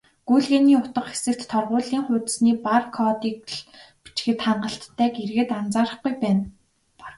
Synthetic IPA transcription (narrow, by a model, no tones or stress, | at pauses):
ɡ̥ujɮɣeːniːʊt̪ə̆qxe̥sɘ̆k̚t̪ʰːɔrʁʊːɮiːŋχʊːt̪̆sniːparkʰɔt̪iːk̚ɮpi̥t͡ɕxɘ̆t̪χaɴɢə̆ɬt̪ʰːæːɡerɣɘ̆t̪ant͡saːɾə̆χɡujpæːn